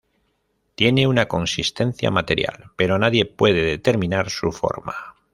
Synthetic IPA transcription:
t̪je̞ne̞unako̞nsist̪e̞n̟θja̰mat̪e̞ɾja̰lpe̞ɾo̞naðje̞pwe̞ð̞e̞ðe̞t̪e̞ɾmĩnaɾsufo̞̰ɾma

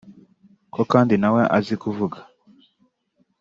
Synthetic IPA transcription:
kɔkandinawɛʔa̰zikuvuɡḁ

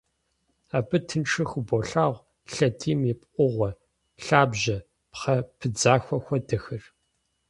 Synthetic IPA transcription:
aːbɨtʰɨnʈ͡ʂʰɨxʷboɬaːʁʷ | ɬɐdiːmjipʼʔʷʊʁʷɐ | ɬaːbʑɐ | pχɐpʰɨd͡zaːxʷɐxʷɐdɐxɨr

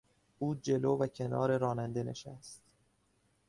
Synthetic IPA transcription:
ʔuːd͡ʒe̞loːvæcʰe̞nɒ̰ːɾe̞ɾɒːnænd̪ene̞̰ʃæst̪

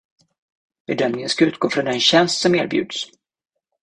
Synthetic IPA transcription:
b̥ɛd̪œmnɪŋənskaʉ̟ːt̪̚ɡoːfɾɔnd̪ɛnɕɛnst̪sɔmeːɾbjʉ̟̰ːd̪s

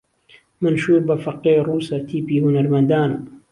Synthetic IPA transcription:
manʃuːɾbafaqːeːɾuːsat̪iːpihʊnaɾmand̪aːn

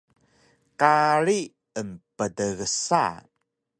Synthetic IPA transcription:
kaɾi | əmpədəɣəsa̰

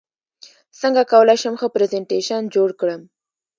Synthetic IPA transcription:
səŋɡakawəlajʃəmxəpɾezeɳʈeʃənd͡ʒoɽkɽəm

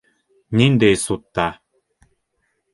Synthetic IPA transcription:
nʲind̪esut̪ːa

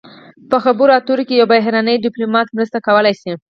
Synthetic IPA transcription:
pəxabəɾoat̪oɾokejawbaɦɾɑnəjdɪplomɑt̪mɾəst̪akawəlajsi

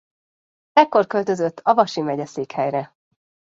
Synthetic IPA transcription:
ɛkːo̞rkø̞lt̪ø̞zøt̪ʰːɒvɒʃimɛɟɛseːkhɛjrɛ

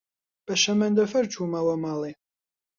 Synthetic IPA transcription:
b̥ɐʃɐmɐnd̪ɐfɐrt͡ʃʰumɐwɐmaːle

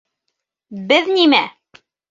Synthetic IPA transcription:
bɘðnimæ

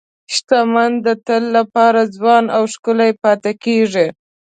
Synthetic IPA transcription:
ʃt̪amand̪ət̪əlːapɑɾazwɑnawʃkəlajpɑt̪akeʐi

